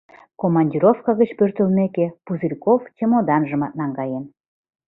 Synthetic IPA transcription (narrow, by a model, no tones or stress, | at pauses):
komɑnʲdʲiɾofkɑɣət͡ɕpørt̪əlmekepuzilʲkoft̪ʲemod̪ɑnʒə̆mɑt̪̚nɑŋɡɑjen